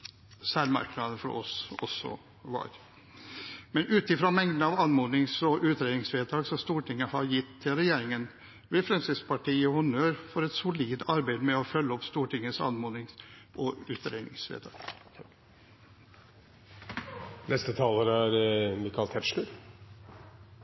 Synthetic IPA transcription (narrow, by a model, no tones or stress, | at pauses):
sæːɾmɑ̰ɾknɑd̪əfɔ̰ɾɔ̰sɔsːɔ̰ | ʋɑ̰ːɾ | mɛnʉːt̪ɪfɾoːmɛŋd̪nɑʋɑnmoːnɪŋsɔʔʉːt̪ɾeːd̪ɪŋsʋeːt̪ʰɑːɡsɔst̪uːʈʰɪŋːəhɑjɪt̪ʰːɪlɾɛjeːɾɪŋən | ʋɪlfɾɛmsɪspʰɑʈʰiːəhʊnøːɾfoːɾɛt̪sʊliːd̪ɑɾbæɪd̪mɛɔfœlːəɔpst̪uːʈɪŋːəsɑ̰nmoːd̪ɪŋsʔɔʉːt̪ɾḛːd̪ɪ̰ŋsʋḛːt̪ʰɑ̰ː | nʔɛst̪ət̪ʰɑːləɾæɾmɪkʰɑlt̪ʰɛt̪ʂləɾ